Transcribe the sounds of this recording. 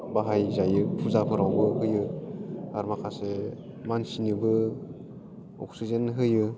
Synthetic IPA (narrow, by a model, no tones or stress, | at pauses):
baɦajzajɯpʰuzapʰɯɾawbɯɦɯjɯ | aɾmakʰase | mansinɯbɯ | ɔ̰ksizenɦɯjɯ